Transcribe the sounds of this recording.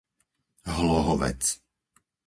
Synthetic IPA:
ɦlɔɦɔʋɛ̰t͡s

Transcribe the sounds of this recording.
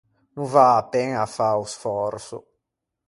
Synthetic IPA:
nuvaːpɛŋafausfɔɾsṵ

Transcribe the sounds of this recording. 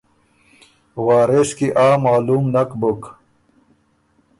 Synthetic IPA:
waːɾeʂkiʔaːmaːlumnɐkbuk

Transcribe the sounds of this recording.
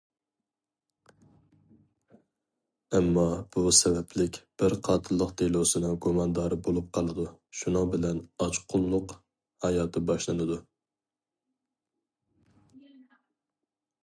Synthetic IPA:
ɛmːɑb̥usɛbɛplɪkʲb̥ɪɾqʰɑːt̪ʰɨlˠːəqt̪ʰelˠosɨnɨŋɡomɑnd̪ɑːɾɨbolˠup̚qʰɑlˠɨd̪uʃunɨŋbɪlɛnɑt͡ʃqʰʊlˠːʊq | hɑjɑːt̪ʰɨbɑʃlˠɨnɨd̪u

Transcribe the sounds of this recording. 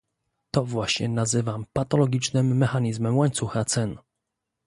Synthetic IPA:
t̪ɔvwaɕɲɛnazɘvampat̪ɔlɔɡʲit͡ʂnɘmːɛxaɲizmɛmwaɲt̪suxat̪sɛn

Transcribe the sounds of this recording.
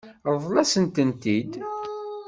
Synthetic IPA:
ɾˤðˤlæsənt̪ənt̪id̪

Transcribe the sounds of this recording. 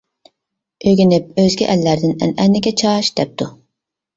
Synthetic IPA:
øɡʲinɪp̚øzɡʲiʔɛlːæɾd̪ɪnɛ̰nɛnːɪɡʲɛt͡ʃʰɑʃd̪̥ɛp̚t̪ʰu

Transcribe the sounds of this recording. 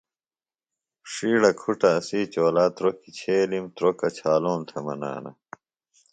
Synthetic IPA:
ʂiːɽɐkʰuʈɐːsiːt͡ɕoːlaːt̪ɾokit͡ɕʰeːlimt̪ɾokɐt͡ɕʰaːloːnt̪ʰɐmɐna̰ːnɐ̰

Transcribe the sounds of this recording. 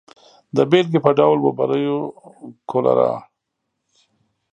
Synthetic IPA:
d̪əbelk̬epəɖawlbabaɾəjokʰola̰ɾa̰

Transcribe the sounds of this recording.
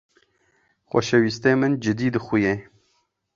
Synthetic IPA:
xʷɔ̰ʃɛwiːst̪eːmɨnd͡ʒɨd̪iːd̪ɨxuje

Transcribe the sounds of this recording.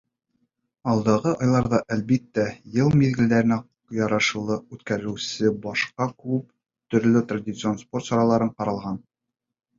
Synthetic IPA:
ɒlˠd̪ɑʁɤʔɒjlˠɑɾðɑʔælbit̪ːæjɤlˠmiðɡɘ̆ld̪æɾɘ̆næ | jɒɾɑʃɤ̆lˠɤʉt̪kæɾɘ̆wsɘbɒʃqɑkʉp̚ | t̪ɵ̆ɾlɘt̪radʲit̪sɨo̞nspo̞rt̪sɒɾɑlˠɑɾɤɴqɒɾɑlˠʁɑn

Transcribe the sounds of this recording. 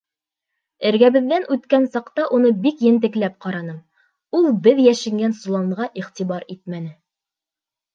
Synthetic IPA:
ɘ̆ɾɡæβɘ̆ðːænʔʉt̪kænsɑqt̪ɑʔunɤbikjɘ̆nt̪̬ɘ̆klæp̚qɑɾɑnɤm | ulˠbɘðjæʃɘ̆ŋɡænsulˠɑɴʁɑʔiχt̪iβɑɾit̪̚mænɘ

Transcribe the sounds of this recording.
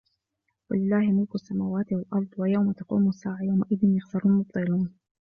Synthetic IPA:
walɪlːaːhjamɪlkasːamaːwaːt̪walʔɑɾˤd̪ˤwajawmat̪ɑqṵːmasːaːʕajawmaʔɪðɪnjʊxsɑɾʊnmʊt̪̚t̪ˤɨluːn

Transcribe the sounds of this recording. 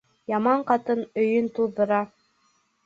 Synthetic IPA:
jɑmɑɴqɑt̪ɤnɵ̆jɵnt̪ulðɤ̆ɾɑ

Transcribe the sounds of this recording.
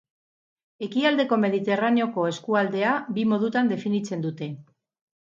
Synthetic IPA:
e̞kiald̪e̞ko̞me̞ðit̪e̞raneo̞ko̞e̞skuald̪e̞abimo̞ðut̪and̪e̞finit͡se̞nd̪ut̪e̞

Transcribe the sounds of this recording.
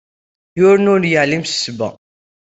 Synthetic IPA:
jʊɾnʊɾnjəʕlimsə̥sbæ̰

